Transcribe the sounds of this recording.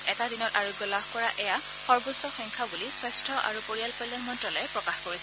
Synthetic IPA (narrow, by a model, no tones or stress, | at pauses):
ɛtadinɔtaɹoɡjɔlabʱkɔɹaʔɛja | xɔɹbosɔxɔŋkʰabuliswɔstʰɔʔa̰ɹupoɹijalkɔjlːɔnmɔntɹɔlɔɛpɹɔkaxkoɹisɛ